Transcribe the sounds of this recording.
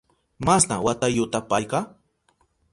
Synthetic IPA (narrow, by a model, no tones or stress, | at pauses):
mastnawat̪ajʊt̪apajqɑ